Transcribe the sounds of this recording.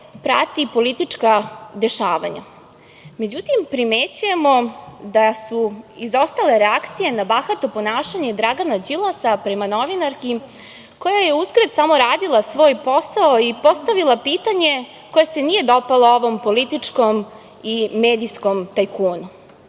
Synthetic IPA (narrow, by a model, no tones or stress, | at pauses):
pɾat̪ipo̞lit̪it͡ʂkad̪e̞ʃaːʋa̰ɲa̰ | me̞d͡ʑut̪impɾimet͡ɕuje̞mo̞d̪asuizost̪ale̞ɾeakt̪sije̞nabaxat̪opo̞naːʃaɲe̞d̪ɾaɡanad͡ʑilˠasapɾe̞manoʋinaɾki | ko̞jajeuskɾad̪samo̞ɾaːd̪ilˠasʋo̞ːjpo̞saoipo̞st̪aʋilˠapiːt̪aɲe̞ | kojese̞nije̞d̪opalˠaoʋompo̞lit̪it͡ʂkom | imeːd̪iskomt̪ajkuːnu